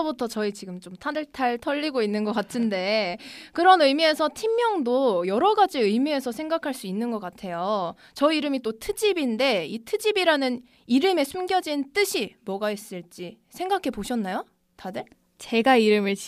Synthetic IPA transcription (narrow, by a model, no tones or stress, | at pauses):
ʌbutʰʌt͡ɕʌit͡ɕiɡɯmt͡ɕomtʰadɯɭtʰaɭtʰʌʎːiɡoinːɯnɡʌk͈atʰɯnde̞kɯɾʌnɯjmie̞sʰʌtʰimːjʌŋdojʌɾʌɡad͡ʑiɯjmie̞sʰʌsʰe̞ŋɡakʰaɭs͈uinːɯnɡʌk͈atʰe̞jo | t͡ɕʌiiɾɯmit͈otʰɯd͡ʑibinde̞itʰɯd͡ʑibiɾanɯn | iɾɯme̞sʰumɡjʌd͡ʑint͈ɯɕʰimwʌɡaies͈ɯɭt͡ɕ͈i | sʰe̞ŋɡakʰe̞poɕʰʌnːajo | tadɯɭ | t͡ɕe̞ɡaiɾɯmɯɭ